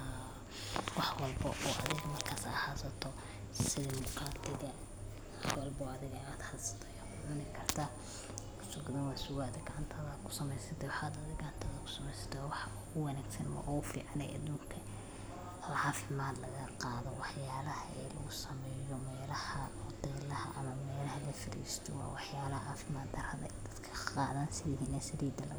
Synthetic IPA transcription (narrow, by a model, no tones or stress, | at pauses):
wɑħwɑlbɐʔɔːʔɐ̰ðɪɣɐmɐrkʰaːsɐːhaːsɐt̪ʰɔ | sɪlɪmɔkɾaːt̪ʰɪɣɐ | swɐlbɐɔɐðɪɣɐaːd̪hasɐ̥t̪ʰɔjaːkʰʊʕʊnɪkʰɐrt̪ʰaː | kʊ̥sʊɡʊðɐnwaːsʊɣaːd̪ɛɡɐʕant̪ʰɐðaːd̪kʰʊ̥sɐmɛjsɐt̪ʰɛwɑħaːd̪ɐðɪɡɐʕɑnt̪ʰɐðɐkʰʊ̥sɐmɛjsɐ̥t̪ʰɔwɑħɑʊɣʊwɐnaːɡsɐnmɐ̰ʔɔɣʊfḭːʕɑnɛ̰ːʔɐ̰ðuːŋkʰɐ | ɐʕɑːfɪmaːd̪lɐɣɐqɑːðɔwɑħjaːlɐhɐɛ̰lɐ̰ɣʊsɐmɛjɔmɛːlɐhɐhɔd̪ɛːlɐhɐ̰ʔɐmɐmɛːlɐɦɐlɐfɪɾḭːst̪ʰɔwɑ̰ːwɑħjaːlɐhɐʕaːfɪmaːd̪ɐrhɐðɐ̰d̪ɐd̪kʰɐ̥qɑ̰ːðansɪðɪɦinɛːʃɐɾiːd̪ɐlɐ